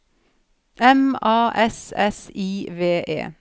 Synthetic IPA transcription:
ʔɛmɑːʔɛsɛsiːʋeːʔḛː

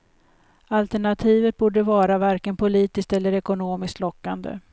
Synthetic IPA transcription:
alt̪ɛɳat̪ʰiːvət̪̚buːɖəvɑːɾavaɾkənpʰʊliːt̪ɪst̪ɛlːəɾɛkʊnoːmɪskt̪lɔkːand̪ə̰

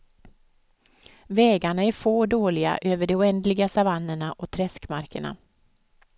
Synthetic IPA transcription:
vɛːɡaɳaæɾfoːɖoːlɪɡa̰ʔøːvəɖɛʊɛnd̪lɪɡasavanːəɳaʔɔt̪ʰɾɛskmaɾkəɳa̰

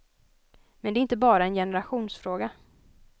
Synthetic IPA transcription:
mɛnd̪ɛæɾɪnt̪əbɑːɾaɛnjɛnəɾaɧuːnsfɾoːɡa

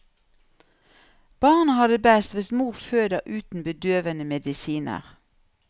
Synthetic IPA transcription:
b̥ɑːʁnəhɑd̪əbæst̪ʋɪsmuːʁføːd̪əʔʉːt̪n̩bəd̪øːʋənəmɛd̪ɪsiːnə̰ʁ

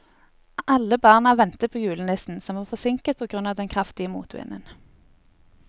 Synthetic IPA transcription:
ʔɑlːəbɑːʁnɑʋɛnt̪əpʰoːjʉːln̩lɪsn̩sɔmʋɑːʁfɔsɪŋkət̪̚pʰoːɡʁʉnɑːʋd̪ɛnkʰʁɑft̪ɪəmṵːt̪ʰʋɪ̰nə̰n

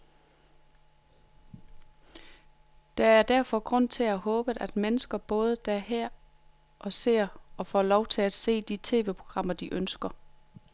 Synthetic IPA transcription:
d̥ɑ̈æɐd̥æɐ̰fɒ̽ɡ̥ʁɔ̽n̰t͡sʰe̝æhɔ̽ːb̥əðʔæd̥menəsɡ̥ɐb̥ɔ̽ːð̞ˠəd̥æɐɦæɐ̰ | ʔɒ̽se̝ɐ̰ɒ̽fɒlɒʊt͡sʰe̝læd̥se̝̰ːd̥it͡sʰe̝̰ːʋe̝pʰʁo̝ɡ̥ʁɑ̈m̰ɐd̥iʔønsɡ̥ɐ

